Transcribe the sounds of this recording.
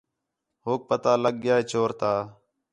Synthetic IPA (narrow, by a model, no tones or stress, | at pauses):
ɦoːk̚pət̪aːləɠɡjaːeːt͡ʃʰoːɾt̪aː